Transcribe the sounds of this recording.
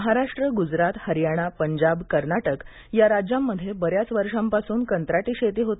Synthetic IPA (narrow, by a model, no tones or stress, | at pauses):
əɦaɾaʂʈɾəɡud͡zɾat̪həɾjaɽ̃apəɲd͡ʑabkəɾɳaʈək | jaɾad͡ʑjamːəd̪ʱːjebəɾjat͡sʋəɾʂampasuːnkənt̪ɾaʈiːɕet̪iːɦot̪e